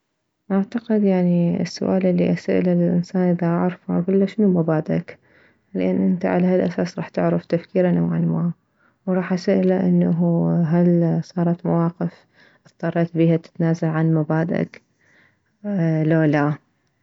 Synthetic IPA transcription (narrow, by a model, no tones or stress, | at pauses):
ʔaʕt̪aqɪd̪jaʕniɪ̰sːʊ̰ʔaːlʔɪlːḭʔasaʔlalɪlʔɪnsaːnʔɪðaʔaʕɾfʔaɡulːaʃɪnumabaːd̪a̰k | lɪʔanːʔɪnt̪a̰ʕalahalʔasaːsɾˤɑːħt̪ɪʕɾɪft̪afkiːɾanʔa̰wʕanma | wɾˤɑːħʔasaʔlaʔɪnːaɦuɦalsˤɑːɾˤɑt̪mawɑːqɪf | ʔɨθt̪ˤɑrˤːɑt̪biːhat̪ɪ̥t̪naːzalʕanmabaːd̪a̰k | lala